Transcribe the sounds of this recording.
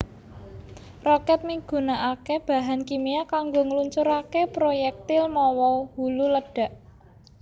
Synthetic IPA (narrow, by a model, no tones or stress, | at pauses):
rɔkɛt̪̚miɡ̥ṳnaʔakeb̥a̤ɦankimiakaŋɡoŋəluɲt͡ʃuɾakepɾojɛk̚t̪ɪlmɔwɔhululəɖ̥a̤ʔ